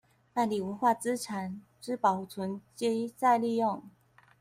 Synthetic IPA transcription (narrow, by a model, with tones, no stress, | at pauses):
ma˥˩li˨˩wə˧˥nxwa˥˩t͡sɹ̩˥ʈ͡ʂʰa˨˩˦n | ʈ͡ʂɻ̩˥˩pɑ˨˩ʊu˥˩t͡sʰwə˧˥nt͡ɕe˥t͡sa˥˧ɪli˥˧jo˥˨ŋ